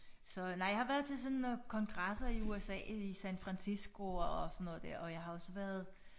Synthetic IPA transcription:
sɒ̽nɑɪhɑ̈ʋæːɐðˠt͡sʰe̝lsɔ̽nkʰɒ̽ŋɡ̥ʁasɐiuesɛ̰ːisænfʁɑnsisɡ̥o̝ɒsɒnːɔð̩̰ˠd̥æɐ̰ʔɒ̽jɑ̈ɪhɑ̈ɒ̽səʋæɐð̞ˠ

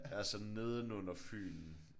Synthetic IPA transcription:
æsɒ̽nne̝ð̞ˠn̩ɔ̽n̰ɐfy̰ːln̩

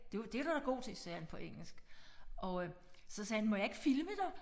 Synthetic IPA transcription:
d̥e̝ʋd̥e̝æɾ̥ɑɾ̥ɑ̈ɡ̥o̝̰ːt͡sʰe̝sɛ̰ɐænpʰɒ̽ʔeŋ̰l̩sɡ̥ʔɒ̽øsɒ̽sɛːhænmɒ̽jɑ̈e̝ɡ̥əfilməd̥ɑ

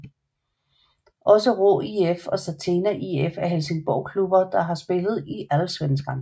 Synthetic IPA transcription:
ʔɒ̽səʁo̰iefɒ̽sæt͡sʰenæʔiefæɐɦelse̝ŋb̥ɒʊ̰kʰlub̥ɐd̥ɑ̈ɦɑ̈sb̥e̝lð̞̩ˠiʔælsʋensɡ̥ɑn

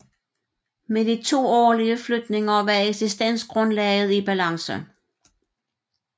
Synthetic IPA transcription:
med̥it͡sʰo̝̰ːɒ̰ːliəflød̥ne̝ŋɐʋæɐeɡ̥sisd̥en̰sɡ̥ʁɔ̽nlɛːɪð̞̩ˠib̥ælɑ̈ŋsə̰

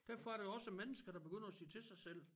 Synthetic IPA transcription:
d̥æɐ̰fɒ̽æɐɾe̝ɒ̽səmenəsɡ̥ɐd̥ɑ̈b̥e̝ɡøn̰ɐæsḭːt͡sʰe̝sɑ̈ɪsel̰

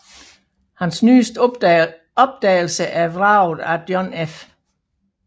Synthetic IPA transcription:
hænsny̰ːsd̥ | ɒ̽b̥̚d̥ɛ̰ːɪl̩səʔæɐʋʁɑ̈ʊð̩ˠæd̥jɒnef

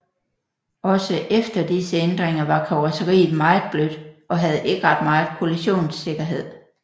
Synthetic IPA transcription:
ʔɒ̽səʔefd̥ɐd̥isəend̥ʁeŋɐʋɑ̈kʰɒʊɑsəʁḭːð̩ˠmɑ̈ɪð̩ˠb̥lød̥ʔɒ̽ɦæð̞̩ˠe̝ɡ̥əʁɑ̈d̥mɑ̈ɪð̩ˠkʰo̝liɕo̝̰ːnse̝ɡ̥ɐɦe̝ð̞̰ˠ

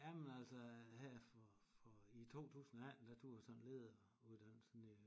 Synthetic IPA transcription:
jæmenæl̰sɐhæɐ̰fɒfɒit͡sʰo̝̰ːt͡sʰṵːsn̩æd̥æt͡sʰuɐ̰sɒ̽nle̝ðˠ | uð̰ˠd̥æn̰sɒni

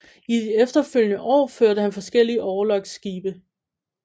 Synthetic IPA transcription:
id̥iefd̥ɐføl̰jənəʔɒ̰ːføɐ̰ɾəhænfɒ̽sɡ̥el̰iəʔɒːlɒ̽ɡ̥sɡ̥iːb̥ə

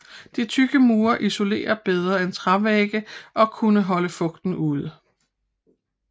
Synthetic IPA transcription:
d̥it͡sʰyɡ̥əmuːɐʔiso̝le̝̰ːɐb̥eð̞ˠʁɐent͡sʰʁɑʋeɡ̥əʔɒ̽kʰunəɦɒ̽ləfɔ̽ɡ̥d̥n̩uð̞̰ˠ

